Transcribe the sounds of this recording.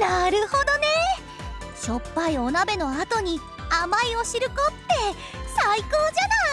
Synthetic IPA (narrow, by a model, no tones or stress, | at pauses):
naɾɯ̟ho̞d̪o̞ne̞ | ɕo̞pːaio̞nabe̞no̞at̪o̞ɲ̟i | amaio̞ɕiɾɯ̟ko̞t̪ːe̞ | saiko̞ːd͡ʑana